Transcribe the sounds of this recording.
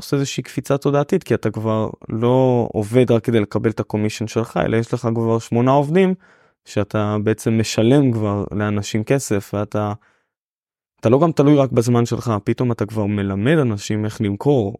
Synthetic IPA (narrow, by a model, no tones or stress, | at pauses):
oseezeʃeikfit͡sato̞d̪aːt̪itkiatakvaʁlo̞o̰ve̞d̪ʁakːed̪e̞jle̞kabe̞letako̞miʃonʃe̞lχa̰ḛlʔajeʃle̞χakvaʁʃmo̞nao̞vd̪im | ʃeat̪ʰabe̞et͡se̞mːe̞ʃale̞mkvaʁleanaʃimke̞se̞fveat̪a | at̪alo̞ɡamt̪alujʁakbazmanʃe̞lχapit̪o̞mat̪akvaʁme̞lame̞d̪anaʃime̞χlimkʰo̞ʁ